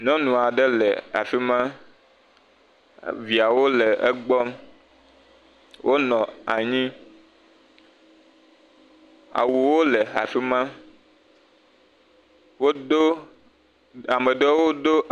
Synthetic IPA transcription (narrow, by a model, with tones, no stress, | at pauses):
nɔ̃˦nũ˨a˨ɖe˦leɛ̰˨a̰˨fi˦mã˦ | vi˨a˨wo˦le˨ḛ˦ɡ͡bɔ˦m | wʔo˦nɔ̃˨a˨ɲĩ˦ | a̰˨wu˨wo˦le˨a˨fi˦mã˦ | wo˦do˦ | a˨mə̃˨ɖe˦wo˦ɖo˦ʔ